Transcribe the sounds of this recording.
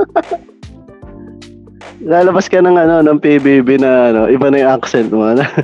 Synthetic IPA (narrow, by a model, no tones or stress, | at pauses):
laːlɐbɐskɐnɐŋɐno̞nɐŋpibibɪnɐʔɐno̞ʔɪbɐnɐjʊŋʔaksɛnt̪̚moɐnɐ